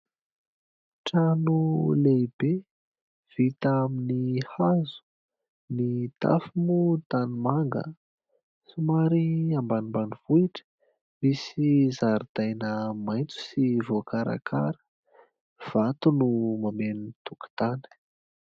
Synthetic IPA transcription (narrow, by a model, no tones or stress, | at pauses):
ʈ͡ʂanuleibe | v̥it̪aminihazu̥ | nit̪a̰fimut̪animaŋɡə̰ | sumaɾiambanimbanivuiʈ͡ʂə̥ | misizaɾid̪ajnəmajnt͡su̥sivokaɾa̰kʰa̰ɾə̥ | v̥at̪unumamenint̪uku̥t̪anə̥